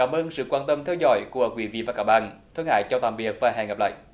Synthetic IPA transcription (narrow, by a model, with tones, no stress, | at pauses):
kaː˧˩mʔəː˧nsɨ̰˧˨kwaː˧nt̪ə˧mt̪ʰɛ˧wzɔ̰˧˦jku˧˩əkwi˧˩vḭ˧˨vaː˨˩kaː˧˩k̚ɓa̰ː˧˨nt̪ʰə˧ŋha̰ː˧˨jt͡ɕɔ˧wt̪aː˨˩mɓi˨˩ək̚vaː˨˩ɦa̰ː˧˩ŋə˨˩p̚la̰ː˧˨j